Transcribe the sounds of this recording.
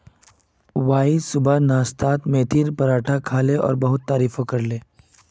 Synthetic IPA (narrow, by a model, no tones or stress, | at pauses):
waːisʊbanaːst̪aːt̪mẽːt̪ʰiɾpɐɾaːʈʰakʰaːleʔɔ̰ːɾbɐɦʊt̪ːaːɾiːfokɐɾleː